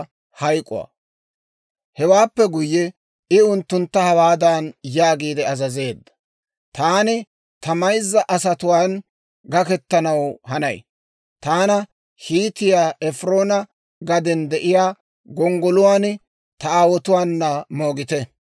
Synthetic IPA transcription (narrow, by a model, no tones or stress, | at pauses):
hɐjkʼʊ̰wa̰ | hɛwaːpːɛɡʊjːɛ | ɪʊnt̪ːʊnt̪ːɐhɐwaːd̪anjaːɡiːd̪ɛɐzɐze̞ːd̪ːɐ̥ | t̪aːnɪ | t̪ɐmɐjzːɐʔɐsɐt̪ʊwaːn | ɡɐkɛt̪ːɐnɐwhɐnɐ̰j | t̪aːnɐ | hiːt̪ɪjaːʔɛfɾo̞ːnɐ | ɡɐd̪ɛnd̪ɛʔɪjaː | ɡɔŋɡɔlʊwaːn | t̪ɐaːwɔt̪ʊwaːnːɐmo̞ːɡɪt̪ɛ